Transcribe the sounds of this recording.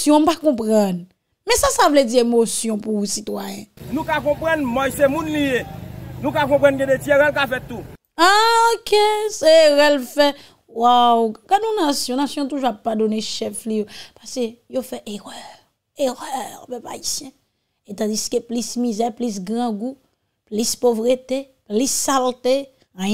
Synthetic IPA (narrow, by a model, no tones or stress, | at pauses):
sijɔ̃m̩pakɔ̃pʁʌ̃n | mɛ̃sasavled͡ziemosjɔ̃puusit̪wajɛ̰̃nũkakɔ̃pɣãnmãjsemũnlijenũkak̬ɔ̃pʁɑ̃nɡɛ̃detieɣɛlkafɛt̪ːu | aokʰeseʁɛlfɛ | wawɡadũnasjɔ̃nasjɔ̃t̪uʒuapːadoneʃɛflijopasejofɛʔeʁœ | eʁɛʁpøpa̰isjɛ̃ | et̪ɑ̃d͡ziskeplismizɛplis̬ɡʁɑ̃ɡu | plispovʁet̪eplisːalt̪ẽ